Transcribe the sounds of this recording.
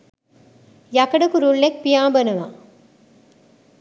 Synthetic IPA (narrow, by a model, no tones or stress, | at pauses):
jɐkɐɖɐkuɾuɭːek̚pijaːbɐnɐʋa̰